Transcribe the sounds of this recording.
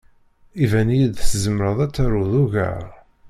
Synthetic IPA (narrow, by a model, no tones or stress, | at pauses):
ivænijid̪szəmɾəðˤæt͡sːæɾuðuʝæ̰ɾ